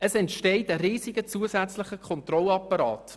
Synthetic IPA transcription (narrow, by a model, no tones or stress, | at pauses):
əsɛntʃtɛɪtəɾiːsiɡət͡suəsæt͡slɪχəkʰɔnt̪rɔlɑpːɑɾɑ̰ːt